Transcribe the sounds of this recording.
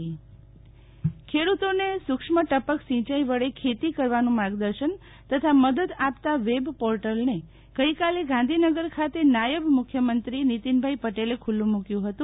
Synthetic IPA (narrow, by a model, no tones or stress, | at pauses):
kʰeɽut̪onesʊkʂməʈəpəksĩt͡ʃajʋəɭekʰet̪ikəɾʋanũmaɡd̪əɾʃən | t̪ət̪ʰaməd̪əd̪apt̪aʋebpɔɾʈəlne | ɡ̥əikaleɡãn̆d̪ʱinəɡəɾkʰat̪enajəʋmʊkʰjəmənt̪ɾinit̪inbʱaipəʈelekʰulːũmukjũɦət̪ũ